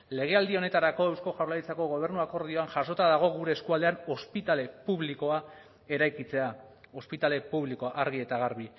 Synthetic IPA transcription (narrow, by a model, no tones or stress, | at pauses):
le̞ɣ̞e̞ald̪io̞ne̞t̪aɾako̞ewsko̞ʝawlaɾit͡sako̞ɣo̞β̞e̞ɾnuako̞ɾð̞io̞anʝaʃo̞t̪aðaɣ̞o̞ɣuɾe̞ːskuald̪e̞ano̞spit̪ale̞puβliko̞a | e̞ɾajkit͡se̞a | o̞spit̪ale̞puβliko̞ʔaɾɣ̞ie̞t̪aɣ̞aɾβ̞i